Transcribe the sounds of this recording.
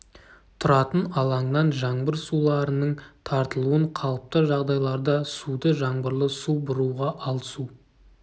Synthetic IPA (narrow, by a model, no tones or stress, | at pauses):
t̪ʰʊɾɑt̪ənɑlˠɑŋnɑnʒɑɴbəɾsulˠɑɾənəɴt̪ʰɑɾt̪əlˠuəɴqʰɑlˠəp̚t̪əʒɑʁd̪ɑjlˠɑɾd̪ɑsud̪əʒɑɴbəɾlˠəsubʊɾuʁɑʔɑlˠəsu